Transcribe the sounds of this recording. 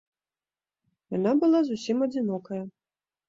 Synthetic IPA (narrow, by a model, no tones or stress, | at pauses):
janabɨlˠazusʲimɐd͡zʲinɔkɐjɐ